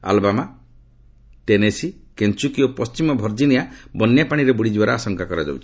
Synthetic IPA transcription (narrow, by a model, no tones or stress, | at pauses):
a̰lbama | ʈenesikent͡ʃukiopɔst͡ʃimɔbʱɔɾd͡ʒinijabɔnjapaɽ̃iɾebuɽid͡ʒibaɾɔasɔŋkakɔɾad͡ʒa̰wt͡ʃʰii̥